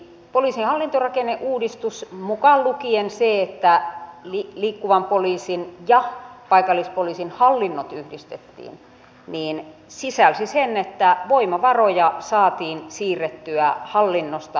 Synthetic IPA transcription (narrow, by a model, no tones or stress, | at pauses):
poliːsinhɑlːint̪orɑkeneʔʔuːdist̪usmukɑllukienseet̪ːæliliːkːuʋɑmpoliːsinjɑpɑikɑlːispoliːsinhɑlːinːot̪yhdist̪et̪ːḭːn | niːnsisælsisenːet̪ːæʋoimɑʋɑrojɑsɑːt̪iːnsiːrːet̪ːyæhɑlːinːost̪ɑ